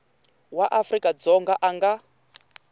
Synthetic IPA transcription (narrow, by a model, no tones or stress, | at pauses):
waʔafrikʼad͡zɔŋɡaʔaŋɡa